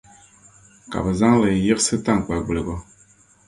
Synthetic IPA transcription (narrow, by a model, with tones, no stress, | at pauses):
ka̰˨bɨ˨za˦ŋlɨ˨ji˦sɨ˦ta˦ŋ˨k͡pa˨ɡ͡bɨ˨le˨ɡɔ˨